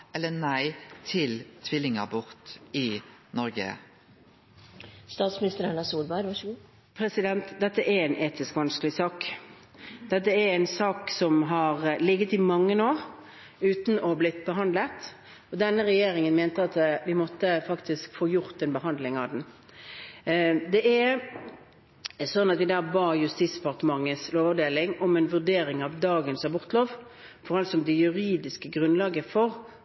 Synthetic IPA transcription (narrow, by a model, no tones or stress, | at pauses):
ʔɛlːənæɪt̪ʰɪlt̪ʰʋɪlɪŋə̰bʊʁt̪ɪnɔɾɡə̰ | st̪ɑːt̪smɪnɪst̪əɾænɑsuːlbɑɪɾʋɑ | pʰɾɛsɪd̪ɛnt̪d̪ɛt̪ːəʔæɾæɪnʔeːt̪ɪskʋɑnskəlɪsɑːk | d̪̥ɛt̪ːəæɾæɪnsɑːksɔmɦɑʁlɪɡːət̪ɪmɑŋːənoːʁ | ʉːt̪nɔblɪt̪bəɦɑnd̪lət̪ | ɔd̪ɛnːəʁɛjeːɾɪŋənmeːnt̪əɑt̪ʋɪmɔt̪ːəfɑkt̪ʰɪskfoːjʊɾt̪ɛnbəɦɑnd̪lɪŋɑʋd̪ɛn | d̪ɛʔɛ | sɔnːɑt̪ʋɪd̪æːbɑːjʉst̪iːsɛpɑʁt̪əmɑŋːəsloːʋəd̪eːlɪŋɔmɛnʋʉʁd̪eːɾɪŋɑʋd̪ɑːɡənsɑbʊʁt̪əloːʋ | fɔʁɑlt̪sɔmd̪ɛjʉʁiːd̪ɪskəɡʁʉnlɑːɡəfɔʁ